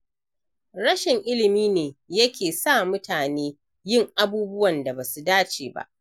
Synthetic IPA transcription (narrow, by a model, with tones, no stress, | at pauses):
ɽɐ˦ʃɪ˨ŋʔɪ˦lɪ˨miː˦neː˨jɐ˦kʲeː˨sa˦˨mʊ˦tʰaː˨neː˦ | jɪ˦˨ŋʔa˦buː˦bʊ˦wɐ˨nda˨baː˨su˨daː˦t͡ʃeː˨ba̰˦˨ʔ